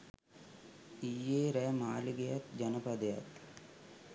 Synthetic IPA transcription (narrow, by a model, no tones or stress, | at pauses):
ijːeːɾɛːmaːliɡejat̪d͡ʒɐnəpad̪eja̰t̪